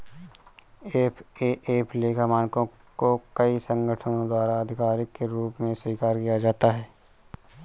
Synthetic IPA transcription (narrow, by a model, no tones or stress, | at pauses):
eːpʰeʔeːpʰleːkʰamaːnkõ | kokəisə̃ŋɡəʈʰənõd̪waːɾaɐd̪ʱɪkaːɾɪkːeɾuːpmẽswiːkaːɾkijad͡ʒaːt̪aɦɛː